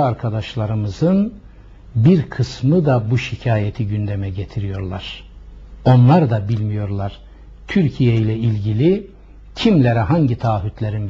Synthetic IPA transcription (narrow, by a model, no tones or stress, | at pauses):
aɾkʰad̪aʃlˠaɾɯmɯzɯn | biɾkʰɯsmɯd̪abuʃicʰaːjet̪ʰiɟynd̪ɛmɛɟet̪ʰiɾijo̞ɾlˠaɾ̥ | o̞nlˠaɾd̪abilʲmijo̞ɾlˠaɾ̥ | t̪ʰyɾcʰijejlʲɛilʲɟilʲi | cʰimlʲeɾɛɦaɲɟit̪ʰaːɦyt̪lʲeɾin